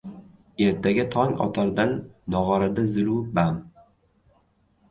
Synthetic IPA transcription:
e̞ɾt̪ʰaɡʲat̪ʰɒŋɒ̰t̪ʰaɾd̪anːɒʁɑɾad̪azɪlubam

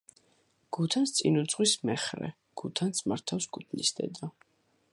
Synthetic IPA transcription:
ɡ̥ut̪ʰanst̪sʼinut̪sʼʁwismɛχɾɛ̰ | ɡ̥ut̪ʰansmaɾt̪ʰafskʰut̪ʰnisd̪ɛ̰d̪a

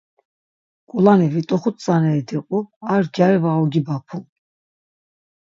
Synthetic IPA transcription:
kʼulanɛvit̪ʼɔχut̪ʼsʼanɛːd̪iqʼuaɾd͡ʒaɛvaɔɡibapʰu

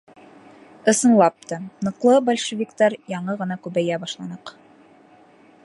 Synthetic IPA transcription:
ɤ̆sɤ̆nlˠɑp̚t̪ɤnɤ̆qlˠɤbɒlʲʃɘvʲikt̪ɑɾjɑɴɤʁɤ̆nɑkʉβæjæbɑʃlˠɑnɤq

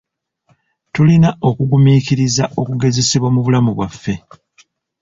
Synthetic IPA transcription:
tulinao̞kuɡumikiɾizaʔo̞kuɡe̞ze̞siβwamuβulamuβwafːe̞

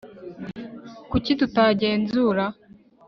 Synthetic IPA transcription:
kucitutaɟe̞ːnzuːɾa

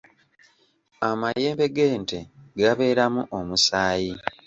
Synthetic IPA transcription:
amaje̞ːmbe̞ɡeːnte̞ɡaβe̞ːɾamuʔomusaːji

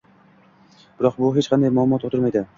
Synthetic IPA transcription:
b̥ɪɾɒq̚bʊɦet͡ʃqʰɑnd̪ajmʊlˠʊmɒt̪ot̪ʰɪɾmajd̪ɪ

